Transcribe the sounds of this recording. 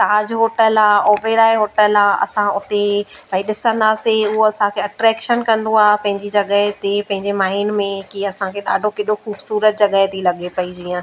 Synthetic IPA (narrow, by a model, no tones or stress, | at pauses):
ʈaːd͡ʑɦoːʈəlaːoːbeɾaːeɦoːʈəlaːɐ̰sãʊt̪ebaiɗɪsə̃nd̪aːseʊɦoɐsãkʰeːɐʈɾɛːkʃənkɐ̃nd̪oaːɦpɐ̃ɦɪ̃ɲd͡ʑid͡ʑɐɠəɦt̪epɐ̃ɦɪ̃ɲd͡ʑemaːiɪnmẽkiɐsãkʰeɗa̰ːɖʱokɪɗoxuːbsuːɾət̪̚d͡ʑɐɠəɦt̪ʰilɐɠepɐid͡ʑiːə̃